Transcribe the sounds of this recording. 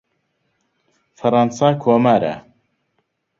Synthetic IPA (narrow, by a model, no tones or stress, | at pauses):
fɐɾˤɑnsaːkʰoːmaːɾɐ̰